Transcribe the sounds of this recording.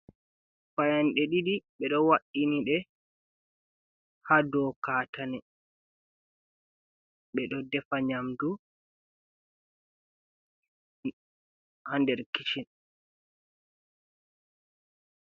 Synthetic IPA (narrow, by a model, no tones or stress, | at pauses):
fajanɗɛɗiɗiɓɛɗɔwaʔiniɗɛ | hadɔkatanɛ | ɓɛɗɔdɛfaɲamdu | handɛɾkit͡ʃin